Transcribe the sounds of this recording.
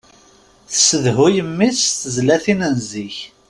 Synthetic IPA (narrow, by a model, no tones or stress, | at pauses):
θsəðɦʊjəmːisθəzlæθinənziç